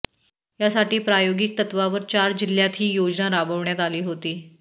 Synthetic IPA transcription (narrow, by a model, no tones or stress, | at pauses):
jasaʈiːpɾajoɡik̚t̪ət̪ʋaʋəɾt͡ɕaɾd͡ʑiljat̪ɦiːjod͡ʑnaɾabəʋɳjat̪aliːɦot̪iː